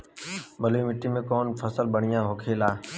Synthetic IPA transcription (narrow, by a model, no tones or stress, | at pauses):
bəleːmɪʈːiːmẽːkoːnpʰəsəlbəɳɪjãːɦoːkʰeːlaː